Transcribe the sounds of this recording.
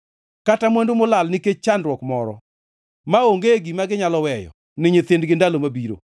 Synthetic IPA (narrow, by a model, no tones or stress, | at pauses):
katamwendomolalniket͡ʃːandɾwɔkmɔɾɔ̰ | maoŋɡeɡimaɡɪɲalɔwɛjɔ̰ | nɪɲet̪ɪndɡɪndalomabiɾo̰